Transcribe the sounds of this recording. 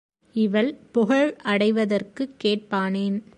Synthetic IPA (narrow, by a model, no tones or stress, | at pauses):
ɪʋɐlpʊɣɐɻʔɐɽɐɪʋɐðɐrkɯkːeːʈ̚paːneːn